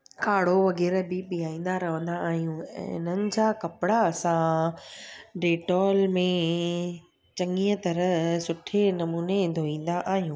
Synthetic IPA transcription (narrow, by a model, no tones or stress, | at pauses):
kʰaːɽoʋɐɣɛːɾbɪɓɪjaːĩːn̆d̪aɾɐʋə̃nd̪aːɦijũːɛ̰̃ːɪnənɪ̆d͡ʑaːkɐpɪɽaɐsã | ɖeːʈɔːlmẽ | t͡ɕɐŋiːət̪ɐɾəsʊʈʰenɐmuːned̪ʱoːĩːn̆d̪aʔaːɦijũː